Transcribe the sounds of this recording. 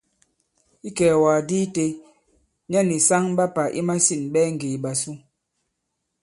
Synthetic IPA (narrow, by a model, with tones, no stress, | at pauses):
i˦kɛː˨waː˨diː˦te˦ | ɲa˦ni˨sa˦ŋ˦ɓa˦pa˨ʔi˦ma˦si˦˨nɓɛ˦ŋ̩˨ɡe˨ɓa˨su˦